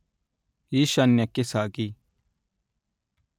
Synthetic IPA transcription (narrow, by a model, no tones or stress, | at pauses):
jiʃɐnjɐkesaːɡi